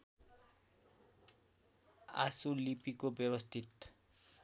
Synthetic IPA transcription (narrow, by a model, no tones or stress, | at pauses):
a̰sulipikobjebʌst̪ʰit̪